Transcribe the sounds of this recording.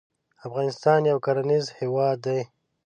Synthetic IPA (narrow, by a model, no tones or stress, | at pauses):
afɣɑnɪst̪ɑnjawkaɾanizhewɑd̪ːaj